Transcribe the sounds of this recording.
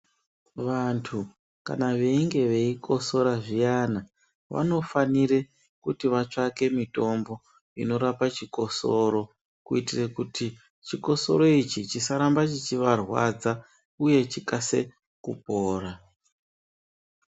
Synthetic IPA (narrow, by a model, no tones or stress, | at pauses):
ʋantʰu | ka̰naʋe̞iŋɡe̞ʋe̞iko̞so̞ɾaʐijana | ʋa̰no̞faniɾe̞ | kutiʋat͡ʂake̞mito̞mbo̞ | ḭno̞ɾapat͡ʃiko̞so̞ɾo̞ | kuitirekutʰi | t͡ʃiko̞so̞̰ɾo̞it͡ʃit͡ʃisaɾambat͡ʃit͡ʃiʋarwa̰d͡za | uje̞t͡ʃikase | kup̚oːɾa